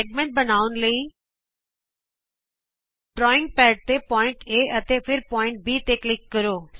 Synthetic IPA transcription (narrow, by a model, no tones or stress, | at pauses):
eːɡ̚mẽɳʈ̚bənaːʊnləiː | ɖɾɔːɪ̃ŋɡ̚pɛːʈ̚t̪epɔːɪ̃ɳʈeːət̪epʰɪɾpɔːɪ̃ɳʈ̚biːt̪eklɪkːəɾoːs